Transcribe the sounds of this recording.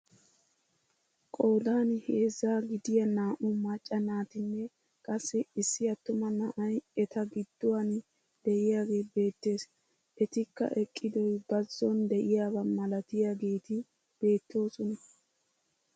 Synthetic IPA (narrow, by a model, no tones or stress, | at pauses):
kʼoːd̪aːnhe̞ːzːaːɡɪd̪ɪjɐnaːʔʊmɐt͡ʃʼːɐnaːt̪ɪnːɛ | kʼɐsːɪɪsːɪɐt̪ːʊmɐnaʔɐjɛt̪ɐɡɪd̪̥ːʊwan | d̪̥ɛʔɪjaːɡe̞ːbe̞ːt̪ːe̞ːs | ʔɛt̪ɪkːɐ̰ʔɛkʼːɪd̪ɔjbɐzːɔnd̪ɛʔɪjaːbɐmɐlɐt̪ɪjaːɡe̞ːt̪ɪ | b̥e̞ːt̪ːo̞ːsɔnɐ